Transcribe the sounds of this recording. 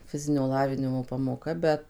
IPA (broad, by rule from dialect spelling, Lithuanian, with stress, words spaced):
ˈfʲɪzʲɪnʲoː ˈlˠɑːʋʲɪnʲɪmoː pɐmoːˈkɐ ˈbʲɛt